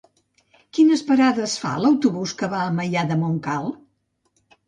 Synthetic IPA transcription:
kinəspəɾaðəsfa̰ləwt̪uβuskəβaəməʎaðəmoŋkalˠ

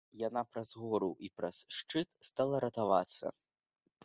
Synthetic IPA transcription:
janapɾɐzɣɔɾuʔipɾɐsʂt͡ʂɨt̪st̪alˠɐɾɐt̪ava̰t̪sɐ̰

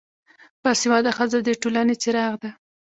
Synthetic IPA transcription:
pɑsiwɑd̪axazad̪eʈolanet͡sɪɾɑɣd̪a

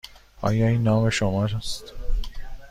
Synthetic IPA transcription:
ɒ̰ːjɒiːnːɒːmeʃomɒːɾast̪

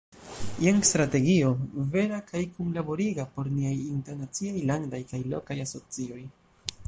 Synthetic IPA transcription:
jaŋstɾate̞ɡio̞ve̞ɾakajkumlabo̞ɾiɡapo̞ɾniajinteɾnat͡siajlaŋdajkajlo̞̰kajaso̞t͡sio̞j

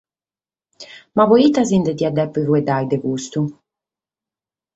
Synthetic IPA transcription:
mavoiːt̪azind̪ɛd̪iad̪ɛpːuvuɛd̪ajd̪ɛkust̪u

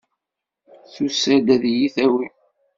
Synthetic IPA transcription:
θusæd̪æðjiθæwi

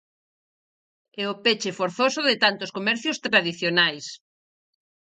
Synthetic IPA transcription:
ɛʊpet͡ʃɪfoɾθosʊðɪt̪ant̪ʊskomɛɾθjʊst̪ɾaðiθjonajs

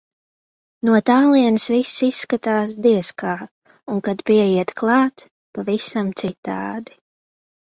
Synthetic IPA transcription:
nuɔt̪aːlˠiɛnsvisːisːkat̪aːs̬d̪iɛskaː | uŋkad̪piɛjiɛt̪klˠɑːt̪ | pavisamt̪sit̪a̰ːd̪i

